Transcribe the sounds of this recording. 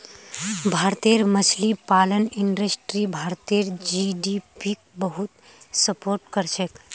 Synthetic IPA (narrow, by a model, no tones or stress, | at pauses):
bʱaɾt̪eɾmət͡ʃʰlipaləniɳɖɾəsʈɾibʱaɾt̪eɾd͡ʒiɖipik̚bəɦut̪ | səpoːɾʈkəɾt͡ʃʰək